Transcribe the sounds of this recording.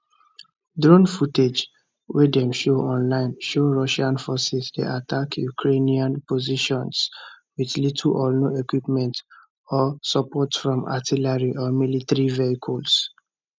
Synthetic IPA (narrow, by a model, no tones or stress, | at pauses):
dɹõnfuted͡ʒ | wedɛ̃mʃoʔɔ̃nlãɪ̃nʃoɹɔʃãnfɔsisdḛʔatakʰjukʰɹeniãnpoziʃɔ̃ns | wiðlitʰuʔɔnoekwipmɛ̃nt | ɔsɔpɔtfɹɔ̃ma̰tilaɹiʔɔmilitɹiveikʰɔls